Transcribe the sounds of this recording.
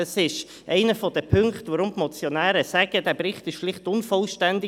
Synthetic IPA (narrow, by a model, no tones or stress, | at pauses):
əsɪʃ | ʔɛ̰ɪnəfɔd̥əpʰʏŋktʋɔɾʊmpmɔt͡sjonæːɾəsæɡ̥ədæːbɾɪχtɪʃʃlɪχtʊnfɔlʃtændɪ